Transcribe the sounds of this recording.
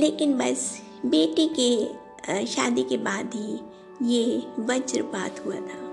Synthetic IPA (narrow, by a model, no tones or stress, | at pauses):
leːkɪnbɐs | beːʈike | ʃaːd̪ikebaːd̪ɦi | jeʋɐt͡ʃɾba̰ːt̪ɦua̰t̪ʰaː